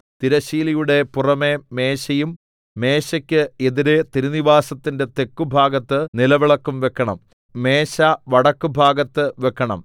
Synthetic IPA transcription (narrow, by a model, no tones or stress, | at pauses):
t̪iɾɐɕiːlijuɽe̞purɐme̞me̞ːɕɐjumː | e̞ːɕɐkʲːɨeðiɾe̞t̪iɾuniʋaːsɐt̪ːinde̞t̪e̞kːubʱaːɡɐt̪ːɨnilɐʋiɭɐkːumʋe̞kːɐɳɐ̰m | me̞ːɕɐʋɐɽɐkːubʱaːɡɐt̪ːɨʋe̞kːɐɳɐ̰m